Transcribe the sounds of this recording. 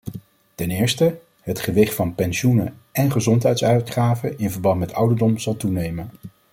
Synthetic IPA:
tɛnɪːɹstə | ɦətχəʋɪχtfɑnpɛnʃunə̰ɛnχəzɔntɦɛjtsœɥtχaːvəɪnvəɹbɑntmɛtʌwdəɹdɔmzɑlˠtunejmən

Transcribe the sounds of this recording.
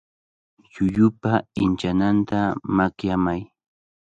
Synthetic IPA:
jʊʎʊpaɪnt͡ʃanant̪amakjamaj

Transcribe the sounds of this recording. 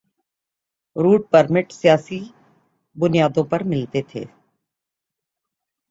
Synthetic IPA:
ɾuːɖ̚pəɾmɪʈsijaːsi | bʊnijaːd̪õpɐɾmɪlt̪et̪ʰḛː

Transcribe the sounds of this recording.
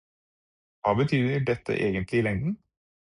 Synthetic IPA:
ʋɑːbət̪ʰyːd̪əɖɛt̪ʰːə̰ʔeːɡənt̪ʰlɪlɛŋd̪n̩

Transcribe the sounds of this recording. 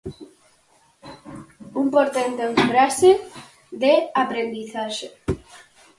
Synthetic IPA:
umpoɾt̪ent̪oeɱfɾase | ðeapɾend̪iθaʃe

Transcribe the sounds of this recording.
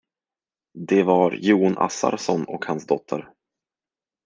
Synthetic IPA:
d̪ɛvaɾjuːnʔa̰sa̰ɾsɔnɔkhansd̪ɔt̪ʰːəɾ

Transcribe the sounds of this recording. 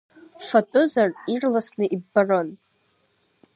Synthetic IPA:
fatʷʼʊzarirlasnɨʔibːaron

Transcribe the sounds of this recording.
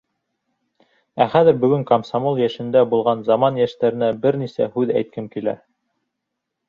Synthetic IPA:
æχæðɘ̆ɾbɵ̆ɡɵŋkɐmsɑmolˠjæʃɘ̆nd̪æbulˠʁɑnzɑmɑnjæʃt̪æɾɘ̆næbɘɾnisæ̰hʉðæ̰jt̪̚kɘmkilæ̰

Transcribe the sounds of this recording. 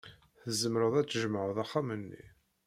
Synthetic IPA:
θəzːəmɾəðˤæt͡sːʒəmʕəðˤɑχːamənːḭ

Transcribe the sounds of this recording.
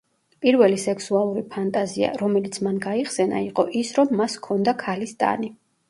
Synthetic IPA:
pʼiɾvɛlisɛkʰsualˠuɾipʰant̪ʼazia̰ɾɔmɛlit̪sʰmanɡaiχsɛna̰iqʼɔʔisɾɔmːaskʰɔnd̪akʰalist̪ʼa̰ni

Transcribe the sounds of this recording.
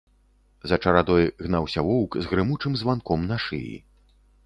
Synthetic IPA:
zɐt͡ʂɐɾad̪ɔjɣnawsʲɐvɔwkzɣɾɨmut͡ʂɨmzvankɔmnaʂɨ̰jḭ

